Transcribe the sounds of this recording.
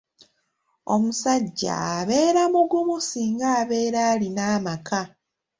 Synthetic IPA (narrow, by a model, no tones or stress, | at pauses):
o̞musaɟːa̰ːβe̞ːɾamuɡumusiːŋɡaːβe̞ːɾaːlinaːmaka